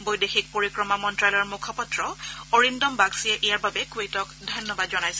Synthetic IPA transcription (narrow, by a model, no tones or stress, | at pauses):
bojdexʰik̚poɹikɹɔmamɔntɹalɔjɔɹmukʰɔpɔtɹɔoɹindɔmbaɡsiɛʔijaɹbabɛkuejtɔkdʱɔjnːɔbadzɔnajsɛ